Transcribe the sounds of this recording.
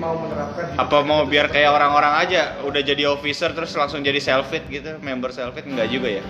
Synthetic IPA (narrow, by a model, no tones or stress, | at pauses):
maumənɾapɛapamaubiarkajaoɾaŋoɾaŋad͡ʒaudahd͡ʒadiofisərt̪əɾʊslaŋsʊŋd͡ʒadisɛlfɪt̪̚ɡit̪umɛmbərsɛlfɪt̪̚ŋɡaʔd͡ʒuɡaja